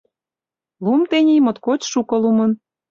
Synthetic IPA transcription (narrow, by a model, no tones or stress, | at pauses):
lumt̪enʲijmot̪kot͡ɕʃukɤ̆lumɤ̆n